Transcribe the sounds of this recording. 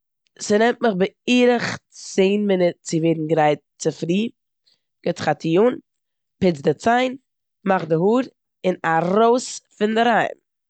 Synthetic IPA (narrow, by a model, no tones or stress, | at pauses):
sɪnɛmtməχbɪiːɾəχtt͡seːnmɪnɪtt͡sɪveːdn̩ɡɾaɪt̚t͡sɪfɾiː | ɡ̥ɪtχatʰijuːn | pɪt͡sdɪt͡saɪn | maχdɪɦuːɾ | ɪnaɾoʊsfɪndɪɾaɪm